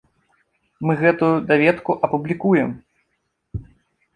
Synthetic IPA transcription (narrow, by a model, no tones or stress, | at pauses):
mɨɣɛt̪ujud̪avʲɛt̪kuʔɐpublʲikujɛm